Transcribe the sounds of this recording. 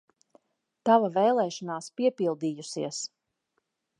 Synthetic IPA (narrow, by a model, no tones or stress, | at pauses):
t̪avavɛjlˠɛːʃɔnaːspiɛpilˠd̪iːjusiɛs